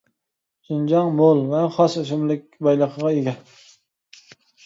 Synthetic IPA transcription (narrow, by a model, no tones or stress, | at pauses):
sɪnd͡ʒɑŋmolˠvɛχɑsʊʃ̬ɪmlɪk̚ʲbɑjlˠɨqʰəʁɑeɡʲɛ